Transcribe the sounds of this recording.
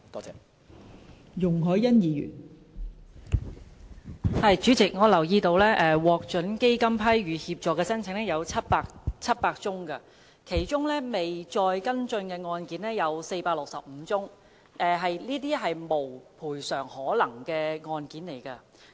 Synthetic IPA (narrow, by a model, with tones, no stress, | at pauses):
t̪ɔː˨˥t͡sɛ˨˥ | jʊ˨˩ŋɦɔː˨˥jjɐ˥njiː˨˧jy̰ː˨˩n | hɐ˨jt͡ʃyː˨˥t͡sɪ˨k̚ŋɔː˨˧lɐ˨˩wjiː˧t̪o˧wlɛː˥ʔɛː˨wɔː˨˧k̚t͡ʃɵ˨˥nke˥jkɐ˥mpʰɐ˥jɥyː˨˧hiː˧p̚t͡ʃɔː˨kːɛː˧sɐ˥nt͡sʰɪ˨˥ŋnɛː˥jɐ˨˧wt͡sʰɐ˥t̚paː˧k̚t͡sʰɐ˥t̚paː˧k̚t͡sʊ˥ŋkɐ˧ | kʰe˨˩jt͡ʃʊ˥ŋlɛː˥me˨jt͡ʃɔː˧jkɐ˥nt͡ʃɵ˧nkɛː˧ŋɔː˧nkiː˨˥nɛː˥jɐ˨˧wse˧jpaː˧k̚lʊ˨k̚sɐ˨p̚m̩ː˨˧t͡sʊ˥ŋ | ʔɛː˨˩ɦɐ˨jliː˥t̪̬iː˥ɦɐ˨jmo˨˩wpʰuː˨˩jsœː˨˩ŋhɔː˨˥lɐ˨˩ŋkɛː˧ŋɔː˧nkiː˨˥nle˨˩jkɐ˧